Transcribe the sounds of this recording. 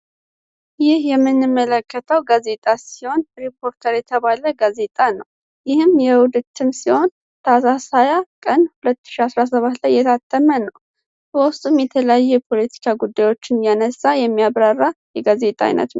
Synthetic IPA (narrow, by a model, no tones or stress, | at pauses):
jɪhjɛmːɨnːɨmːələkːət̪ʰəwɡaze̞t̪ʼasiho̞nɾipʰo̞ɾt̪ʰəɾjɛt̪ʰəβaləɡaze̞t̪ʼanəw | jɪhɨmjɛwʊd̪ɨt̪ʰːɨmsiho̞n | t̪ʰasasajakʼənhulət̪ːɨ̥ʃiasɾas̬əβat̪lajːɛt̪ʰat̪ʰʼːəmənəw | bəwʊst̪ʼumjɛt̪ʰələjajːɛjɛpʰo̞lət̪ʰi̥kʰaɡud̪ːajwo̞t͡ʃːɪnjanəsːajɛmːijaβɾarːajɛɡaze̞t̪ʼa̰j̰nə̰t̪n